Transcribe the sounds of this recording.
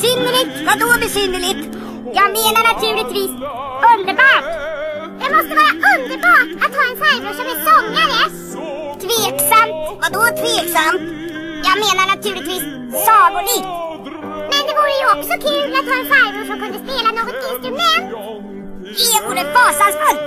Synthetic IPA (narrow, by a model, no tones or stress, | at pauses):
sʏnːəɭɪt̪vad̪ɔbɛsʏnːəɭɪt̪ | jɑːɡmeːnaɳat̪ʰʉ̟ːlɪt̪viːs | ɵnd̪əɾbɑːʈd̪ɛmɔst̪əvɑːɾaʔɵnd̪əɾbɑːʈat̪hɑːɛnfaɾməʂɔmɛsɔŋːaɾə | t̪ʰveːksamt̪vad̪ɔt̪ʰveːksamt̪ | jɑːɡmeːnaɳat̪ʰʉ̟ːlɪt̪viːs | sɑːɡʊlit̪ | mɛnd̪ɛvuːɾəjɵɔksɔkʰʉ̟ːlat̪hɑːɛnfaɾməʂɔmkɵnd̪əspeːlanoːɡɔt̪ɪnst̪ɾɵmɛnt̪ | ɪvuːɖəfɑːsansfɵlt̪